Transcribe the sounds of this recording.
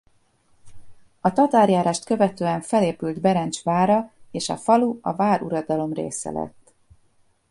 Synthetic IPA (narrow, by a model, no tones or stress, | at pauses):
ɒt̪ɒt̪aːrjaːɾaːʃt̪kø̞vɛt̪øːɛɱfɛleːpylt̪bɛɾɛnt͡ʃʋaːɾɒeːʃɒ̰fɒluɒ̰vaːɾuɾɒd̪ɒlo̞mrḛːsɛ̰lɛ̰t̪ː